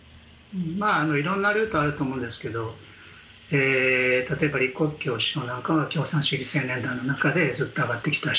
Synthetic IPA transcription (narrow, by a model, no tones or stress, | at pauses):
ɯ̃maːno̞iɾõ̞nːaɾɯ̟ːt̪oaɾɯ̟t̪o̞ːmõ̞ːnd̪e̞sɨ̥ke̞d̪o̞ | eːt̪at̪o̞e̞baɾʲiko̞kʲːo̞ːɕi̥o̞ːnãŋkaβakʲo̞ːsãɕɨɡʲisẽ̞nne̞nd̪aino̞nakad̪e̞zɨt̪ːo̞aɡat̪ːe̞kʲi̥t̪a